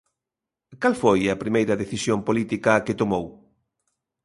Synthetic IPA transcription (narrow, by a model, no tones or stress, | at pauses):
kalfojɐpɾimejɾɐðeθisjompolit̪ikɐket̪omow